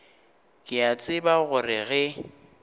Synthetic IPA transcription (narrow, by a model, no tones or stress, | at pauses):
kʼɪat͡sʼɪbaɣʊrɪɣɛ